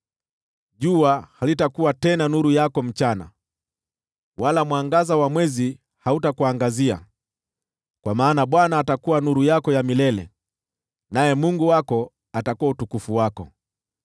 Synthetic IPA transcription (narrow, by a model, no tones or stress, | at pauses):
ʄuahalitakuwatɛnanuɾujakɔm̩t͡ʃana̰ | walamwaŋɡazawamwɛzi | hautakuaŋɡazia̰ | kwamaːnaɓwanaːtakuwanuɾujakɔjamilɛlɛ̰ | najɛmuŋɡuwakɔ | atakuwautukufuwakɔ̰